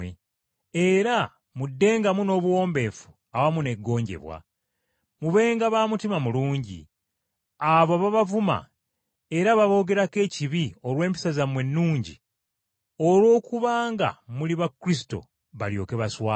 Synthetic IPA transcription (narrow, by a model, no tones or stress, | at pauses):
e | e̞ɾa | mudːe̞ːŋɡamuno̞ːβwo̞ːmbe̞ːfu̥ | awamune̞ɡːo̞ːɲɟe̞̰βwa̰ | muβe̞ːŋɡaβaːmutimamuluːɲɟḭ | aβoβaβavuma̰ | e̞ɾaβaβo̞ːɡe̞ɾake̞ːciβio̞lwe̞ːmpi̥sazamwe̞nːuːɲɟḭ | o̞lwo̞ːkuβaːŋɡa̰muliβakːuɾis̬i̥to̞̰ | βaljo̞̰ːke̞βaswaː